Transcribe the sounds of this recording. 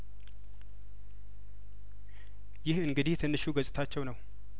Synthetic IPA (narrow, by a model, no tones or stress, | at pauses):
jɪhɨŋɡɨd̪ihjɛt̪ʰɨnːɨʃuɡəsʼɪt̪ʰat͡ʃːɛwnəw